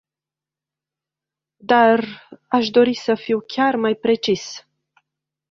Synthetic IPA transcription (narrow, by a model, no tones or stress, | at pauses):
d̪araʃd̪o̞ɾisəfiwkʲarmajpɾe̞t͡ʃis